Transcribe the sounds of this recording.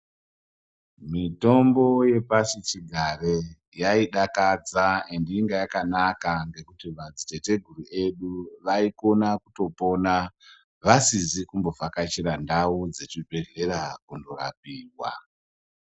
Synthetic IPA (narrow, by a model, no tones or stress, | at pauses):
mito̞mbo̞je̞pasit͡ʃiɡʱare | jaiɗakad͡zaendiiŋɡajakanakaŋɡe̞kutiʋad͡zite̞te̞ɡʱurue̞ɗuʋaiko̞nakuto̞po̞na | ʋasizikumbo̞fakat͡ʃiɾandaud͡zet͡ʃibʱe̞ɮe̞ɾakundo̞ra̰p̚iːwa̰